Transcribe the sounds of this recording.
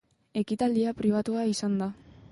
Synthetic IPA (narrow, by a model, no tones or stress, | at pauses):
e̞kit̪ald̪iapɾiβ̞at̪uaisand̪a